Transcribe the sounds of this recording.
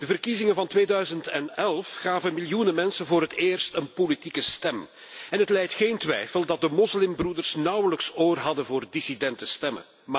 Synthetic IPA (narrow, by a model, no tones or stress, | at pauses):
d̥əvərkizɪŋənvɑntʋeːdœɥzəntɛnɛlˠfxaːvənmɪljunənmɛnsənvoːɾɦəteːrstənpolitikəstɛm | ɛnɦətlɛjtxeːntʋɛ̰jfəlˠdɑt̚dəmɔslɪmbrudərsnɑwələksoːrɦɑdəvoːrdisidɛntəstɛmə̰